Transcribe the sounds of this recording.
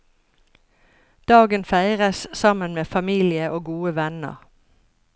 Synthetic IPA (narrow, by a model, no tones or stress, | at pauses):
d̪̥ɑːɡənfæɪʁəssɑmənmeːfɑmiːlɪəʔoːɡuːəʋɛnə̰ʁ